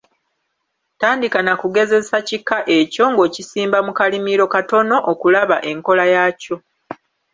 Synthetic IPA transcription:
taːndikanakuɡe̞ze̞sacikːaʔe̞co̞ŋɡo̞ːcisiːmbamukalimiɾo̞kato̞no̞ʔokulaβaʔe̞ŋko̞lajaco̞

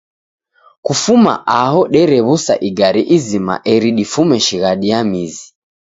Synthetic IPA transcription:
kufuma̰ʔaɦɔɗɛɾɛβusa̰ʔiɡaɾiʔizima̰ʔɛɾiɗifumɛʃiɣaɗiamizi

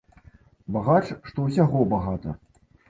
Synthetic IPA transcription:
baɣat͡ʂʂt̪ɔws̬ʲaɣɔbaɣat̪ɐ̰

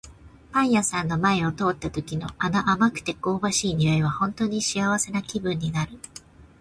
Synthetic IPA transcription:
pãɰ̃jasãnːo̞mae̞o̞t̪o̞ːt̪ːat̪o̞kʲino̞̰ʔanaʔamakɯ̟̥t̪e̞ko̞ːbaɕiːɲiaiβ̞ahõ̞nt̪o̞ːɲ̟iɕiaβ̞ase̞nakʲibɯ̟̃ɲ̟ːinaɾɯ̟

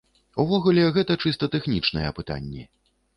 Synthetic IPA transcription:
uvɔɣulʲɛɣɛt̪ɐt͡ʂɨst̪ɐt̪ɛxnʲit͡ʂnɐjɛpɨt̪a̰nʲːɛ̰

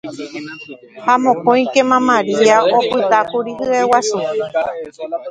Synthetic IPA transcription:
hamõ̞kõj̃kemãmãɾiaʔopɨt̪akuɾiɦɨewasu

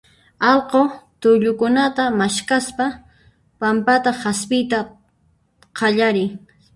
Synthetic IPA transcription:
ɑlqot̪ʊʎʊkʊnat̪amaʃkaspa | pampat̪ahaspɪjt̪a | qʰɑʎaɾɪŋ

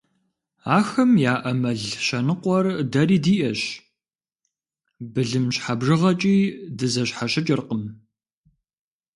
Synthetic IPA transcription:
aːxɐmjaːʔɐmɐɮʃɐnɨqʷɔrdɐɾiːdiːʔɐɕ | bɨɮɨmɕħabʐɨʁɐt͡ʃʼiːdɨzɐɕħaɕɪt͡ʃʼɪrqəm

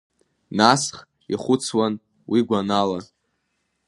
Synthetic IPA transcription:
nasχ | ḭχʷʊt͡sʰwan | wiɡʷanala

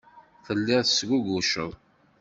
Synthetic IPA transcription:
θəlːiʁθsɡuɡuʃə̰ðˤ

